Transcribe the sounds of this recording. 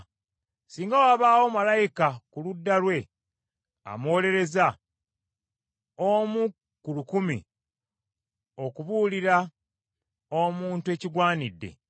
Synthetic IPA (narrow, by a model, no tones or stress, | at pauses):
siːŋɡawaːβaːwo̞malajikakuludːalwe̞ | a̰moːle̞ɾe̞za | omu | kulukumḭ | o̞kuβuːliɾa | omuːntue̞ciɡwaːnidːe̞̰